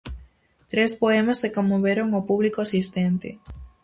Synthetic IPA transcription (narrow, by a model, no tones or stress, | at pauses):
t̪ɾespoɛmɐzðekomoβeɾoŋopuβlikoasist̪ent̪ɪ